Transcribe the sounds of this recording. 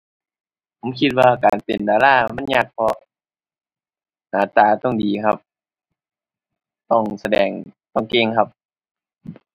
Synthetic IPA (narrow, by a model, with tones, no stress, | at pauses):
pʰo˨˦mkʰi˧t̪̚waː˧kaː˨˩npe˨˩ndaː˨˦laː˥˩ma˧˥˨nɲaː˧k̚pʰɔ˧ʔ | naː˨˩t̪aː˨˩t̪ɔ˥˩ŋdiː˨˩kʰa˧p̚ | t̪ɔ˥˩ŋsa˧dɛː˨˩ŋt̪ɔ˥˩ŋke˧˨ŋkʰa˧p̚